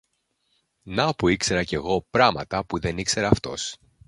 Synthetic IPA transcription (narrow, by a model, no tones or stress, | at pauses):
nɐpuikse̞ɾɐce̞ɣo̞pɾɐmɐt̪ɐpuðe̞nikse̞ɾɐːft̪o̞̰s